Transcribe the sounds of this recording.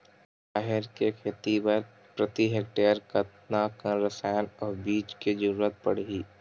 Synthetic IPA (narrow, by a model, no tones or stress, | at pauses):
ʃaːɦɪɾkekʰet̪ibəɾ | pɾət̪iɦekʈeːəɾkət̪nakə̃ɾəsajnɔːɾbiːt͡ʃked͡ʒəɾuːɾət̪̚pə̰ɽ̤iː